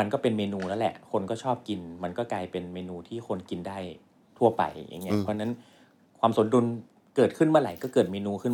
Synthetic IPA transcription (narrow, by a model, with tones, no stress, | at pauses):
a˧nkɔː˥˩pe˧nmeː˧nuː˧nɛ˦˥wlɛ̰˨˩ʔkʰo˧nkɔː˥˩t͡ɕʰɔː˥˩p̚ki˧nma˧nkɔː˥˩klaː˧jpe˧nmeː˧nuː˧t̪ʰiː˥˩kʰo˧nki˧ndaː˥˩j | t̪ʰu˥˩ɐpa̰˧jjʔa̰˨˩ŋːi˦˥ɐpʰɾɔ˦˥˧na˦˥n | kʰwaː˧mso˩˦ndu˧n | kɤː˨˩t̪̚kʰɯ˥˩nmaː˧la˨˩˦jkɔː˥˩kɤː˨˩t̪̚meː˧nuː˧kʰɯ˥˩